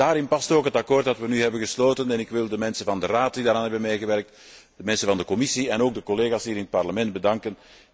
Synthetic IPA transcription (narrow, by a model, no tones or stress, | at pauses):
aːɾɪnpɑstoːkɦətɑkoːrt̚dɑtʋənyɦɛbənɣəsloːtənɛnɪkʋɪlˠdəmɛnsənvɑndəraːt̚didaːɾaːnɦɛbənmeːɣəʋɛrk̚t | d̥əmɛnsənvɑndəkɔmɪsiɛnoːɡ̚dəkɔleːɣaːsɦiːɾɪnət̚pɑrləmɛntbədɑŋkən